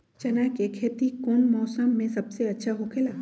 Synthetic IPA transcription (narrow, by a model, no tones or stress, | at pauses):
t͡ʃɐnaːkekʰeːt̪ikoːnmɔːsəmːẽsɐbseɐtːʃʰaɦokʰeːlaː